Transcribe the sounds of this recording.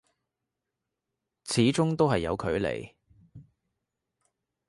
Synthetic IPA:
t͡sʰiː˨˥t͡sʊ˥ŋt̪o˥wɦɐ˨jːɐ̰˨˧wkʰɵ˨˧ɥlḛ˨˩j

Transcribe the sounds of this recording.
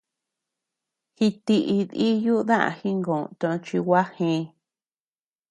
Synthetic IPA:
hi˧t̪i˧ʔi˧ði˦ju˦˧˦ðã˦ʔã̰˧hi˦ŋɡõ˨˧t̪õ˧t͡ʃi˧wa˦hĩ˧

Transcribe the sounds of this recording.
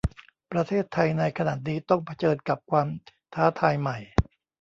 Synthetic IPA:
pɾa˧t̪ʰeː˥˩t̪ʰːa˧jna˧jkʰa˧naː˨˩t̪̚niː˦˥t̪ɔ˥˩ŋpʰa˧t͡ɕɤː˧nka˨˩p̚kʰwaː˧m | t̪ʰaː˦˥t̪ʰaː˧jma˨˩j

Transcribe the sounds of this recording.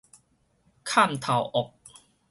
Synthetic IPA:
kʰa˥˨mt̪ʰa˨˩wʔɔ˨˩k̚

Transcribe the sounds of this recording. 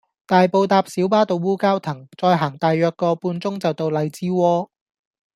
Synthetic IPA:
t̪aː˨jpo˨˧wt̪aː˧p̚siː˨˥wpaː˥t̪o˧wːuː˥kaː˥wt̪ʰɐ˨˩ŋt͡sɔː˧jɦaː˨˩ŋt̪aː˨jːœː˧kːɔː˧puː˧nt͡sʊ˥ŋt͡sɐ˨wt̪o˧wlɐ˨˧jt͡siː˥wɔː˥

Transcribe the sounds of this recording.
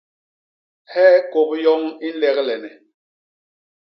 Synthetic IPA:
hɛː˦ko˨p̚jɔ˦ŋi˦n̩˦lɛ˦klɛ˨nɛ˨

